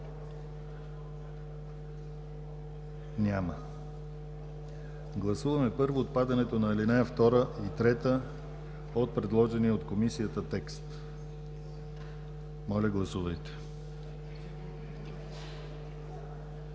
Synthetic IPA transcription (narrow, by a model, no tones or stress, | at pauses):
nʲamə | ɡlˠɐsuvɐmɛpɤɾvoːt̪̚pad̪ɐnɛt̪onɐɛlinɛəft̪ɔɾəit̪ɾɛt̪ə | ot̪̚pɾɛd̪lˠɔʒɛniɛot̪komisiət̪ət̪ɛkst̪ | mɔlʲəɡlˠɐsuvɐjt̪ɛ̥